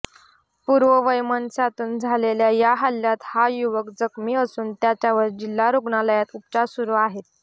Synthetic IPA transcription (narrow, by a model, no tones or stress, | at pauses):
puɾʋəʋəjmənsat̪uːnd͡zʱaleljajaɦalːjat̪hajuʋəkd͡zəkmiːəsuːnt̪jat͡ɕjaʋəɾd͡ʑilːaɾuɡɳaləjat̪up̚t͡ɕasuɾuːaɦet̪̚